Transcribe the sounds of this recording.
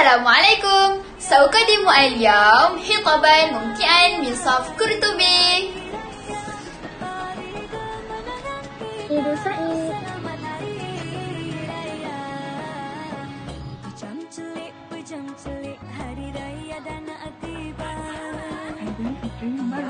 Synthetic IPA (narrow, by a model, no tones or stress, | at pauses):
alaːmʕalajkʊm | saʔʊqɑd̪ːɪmuʔaljaːmħɪt̪ˤɑbanmʊmk̪ɪʔanmɪnsˤɑfkʊɾt̪ʊbi | id̪asaʔi | nt̪